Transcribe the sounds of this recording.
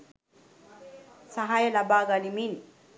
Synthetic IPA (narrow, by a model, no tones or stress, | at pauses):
saɦajalabaɡalimin